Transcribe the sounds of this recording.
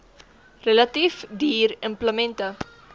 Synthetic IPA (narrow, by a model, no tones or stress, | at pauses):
rəlɐtifdiːrəmpləmɛntə